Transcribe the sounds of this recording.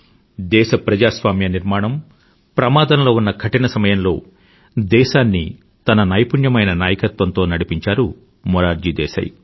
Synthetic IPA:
d̪ɛːʃɐpɾɐd͡ʒaːsʋaːmjɐniɾmaːɳɐm | pɾɐmaːd̪ɐnlo̞ːunːɐɡʰʱɐʈinɐsɐmɐjɐnlo̞ː | d̪ɛːʃaːnːi | t̪ɐnɐnɐjpuɳjɐmɐjnɐnaːjɐkɐt̪ʋɐnt̪o̞ːnɐɽipiɲt͡ʃaːɾu | mɔɾaːɾd͡ʒiːd̪ɛ̰ːsɐ̰j

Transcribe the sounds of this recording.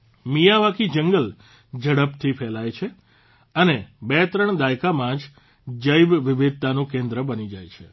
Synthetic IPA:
mijaʋakid͡ʒəŋɡəl | d͡ʒəɽəpt̪ʰipʰɛlajt͡ʃʰe | ənebɛt̪ɾəɳd̪ajkamãd͡ʒ | d͡ʒəjbʋɪʋɪd̪̚t̪anũkẽnd̪ɾəbənid͡ʒajt͡ʃʰḛ

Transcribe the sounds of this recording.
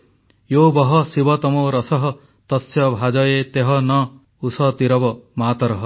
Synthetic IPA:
jobɔɦɔsibɔt̪ɔmɔɾɔsɔɦɔ | t̪ɔsjɔbʱad͡ʒɔjet̪eɦɔnɔ | usɔt̪iɾɔbɔmat̪ɔɾɔɦɔ

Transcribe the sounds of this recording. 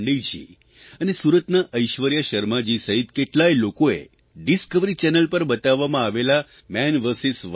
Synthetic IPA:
ɖijd͡ʒḭ | ənesuɾət̪naʔəjʃʋəɾjaʃəɾmad͡ʒisəɦit̪keʈlajlokoḛ | ɖiskəʋɾit͡ʃɛnəlpəɾbət̪aʋːamãaʋela | mɛnʋəɾsisʋ

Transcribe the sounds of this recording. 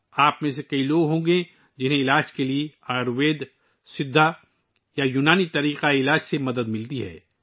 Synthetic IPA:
aːpmẽsekɐiloːɡɦõːɡẽ | d͡ʒɪnɦẽɪlaːd͡ʒkelieaɾʋeːd̪ | sɪd̪ʱːa | jajuːnaːnit̪ɐɾiːqaɪlaːd͡ʒsemɐd̪əd̪mɪlt̪iɦɛ̰ː

